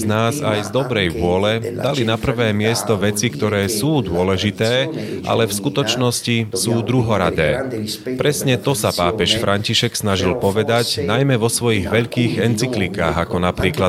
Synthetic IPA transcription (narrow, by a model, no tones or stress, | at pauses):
znaːzajzd̪ɔbɾɛjʋʊɔlɛd̪alinapr̩ʋɛːmɪɛst̪ɔʋɛt͡sikt̪ɔɾɛːsuːd̪ʊɔlɛʒit̪ɛːʔa̰lɛfskut̪ɔt͡ʃnɔscisuːd̪ɾuɦɔɾa̰d̪ɛ̰ːpɾɛsɲɛt̪ɔsapaːpɛʃfɾʔaɲciʃɛksnaʒilpɔʋɛd̪aɟnajmɛʋɔsʋɔjiɣʋɛʎkiːɣɛnt͡siklika̰ːɣakɔnapɾiːkla